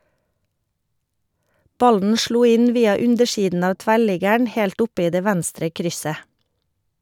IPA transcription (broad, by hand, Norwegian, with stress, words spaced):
ˈbɑln̩ ˈʃluː ˈɪn ˈʋiːɑ ˈʉndəˌʃiːdn ˈɑː ˈtʋæˌɭɪɡəɳ ˈhɛlt ˈʊp ˈiː ˈdeː ˈʋænstɾə ˈkɾʏsə